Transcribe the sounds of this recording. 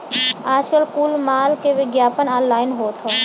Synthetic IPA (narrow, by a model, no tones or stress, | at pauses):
aːd͡ʒkəlkuːlmaːlkeʋɪɡjaːpənɔ̃ːnlaːɪnɦoːt̪ɦoː